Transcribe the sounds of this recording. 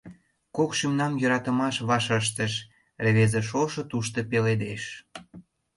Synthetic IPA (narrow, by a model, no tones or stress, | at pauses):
kokʃymnɑmjə̆ɾɑt̪ə̆mɑʃβɑʃəʃ̬t̪ə̆ʃ | reβezeʃ̬oʃɤ̆t̪uʃt̪ə̆peled̪eʃ